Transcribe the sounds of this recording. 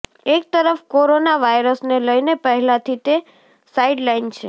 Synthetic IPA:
ek̚t̪əɾəfkoɾonaʋajɾəsneləjnepəɦɛlãt̪ʰit̪e | saiɖlaint͡ʃʰe

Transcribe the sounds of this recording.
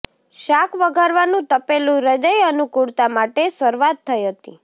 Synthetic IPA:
ʃakʰʋəɡʱaɾʋanũt̪əpelũɾəd͡ʒəjənukuɽt̪amaʈesəɾʋat̪ʰːəjɦət̪ḭ

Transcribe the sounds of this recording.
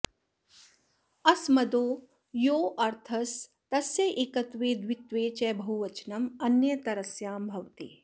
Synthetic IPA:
ɐsmɐd̪oː | joːʔɐɾt̪ʰɐs | t̪ɐsjɐʔeːkɐt̪ʋeːd̪ʋit̪ʋeːt͡ʃɛːbʱɐɦuʋɐt͡ʃnɐmɐnjɐt̪ɐɾɐsjaːmbʱɐʋt̪ḛː

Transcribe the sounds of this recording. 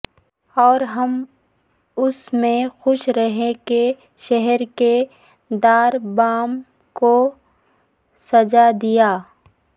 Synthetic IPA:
ɔːɾɦɐm | ʊsmẽxʊʃɾɐɦeke | ʃɛɦɛɾke | d̪aːɾbaːm | ko | sɐd͡ʒad̪ijaː

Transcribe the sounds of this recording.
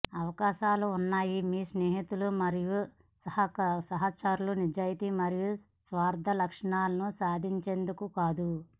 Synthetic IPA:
ɐʋɐkaːʃaːluːnːaːjimiːsneːɦit̪ulumɐɾiju | sɐhɐsɐɦat͡ʃaːɾulunid͡ʒaːjit̪imɐɾiju | sʋaːɾd̪ʱɐlɐkʂɐɳaːlɐnusaːd̪ʱiɲt͡ʃe̞ːnd̪ukukaːd̪u

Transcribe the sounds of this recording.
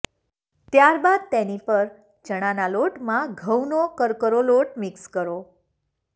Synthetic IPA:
t̪jaɾbad̪̚t̪ɛnipəɾ | d͡ʒəɽ̃analoʈmãɡʱəwnokəɾkəɾoloʈmikskəɾo

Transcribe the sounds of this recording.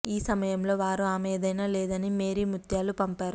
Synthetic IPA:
iːsɐmɐjɐmlo̞ːʋaːɾuaːmeːd̪ɐjnaːleːd̪ɐnimeːɾimut̪jaːlupɐmpaːɾu

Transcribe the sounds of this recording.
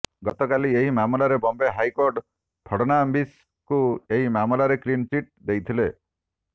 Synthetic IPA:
ɡɔt̪ɔkalieɦimamulaɾebɔmbeɦajkɔɾɖ | pʰɔɽɔnambis | kueɦimamulaɾekɾint͡ʃiʈ̚d̪ejt̪ʰile

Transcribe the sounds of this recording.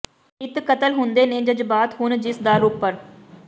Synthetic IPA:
ɪt̪kət̪əlɦʊnd̪eːnẽːd͡ʒəd͡ʒbaːt̪ɦʊnd͡ʒɪsd̪aːlʊpːəɾ

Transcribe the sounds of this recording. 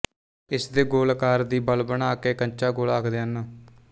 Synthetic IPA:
ɪsd̪eːɡoːlkaːɾd̪iːbəlbəɳaːkeːkənt͡ʃaːɡoːlaːkʰd̪eːənəː

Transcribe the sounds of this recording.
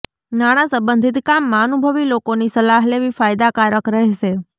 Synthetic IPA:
naɽ̃asəbənd̪ʱit̪kamːãənubʱəʋilokonisəlaɦleʋifajd̪akaɾəkɾəɦɛʃe

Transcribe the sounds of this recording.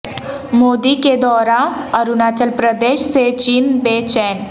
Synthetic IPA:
moːd̪iked̪ɔːɾaəɾunaːt͡ʃəlpɾəd̪eːʃset͡ʃiːnbeːt͡ʃɛːn

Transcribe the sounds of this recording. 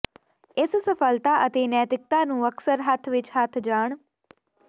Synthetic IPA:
ɪssəpʰəlt̪aːʔət̪eːnɛːt̪ɪk̚t̪aːnũːəksəɾɦət̪ʰʋɪt͡ʃɦət̪ʰd͡ʒaːɳ

